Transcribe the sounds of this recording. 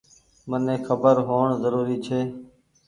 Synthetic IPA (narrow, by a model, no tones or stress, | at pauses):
mənẽːxʰəbəɾɦoːɳzəɾuːɾiːt͡ʃʰeː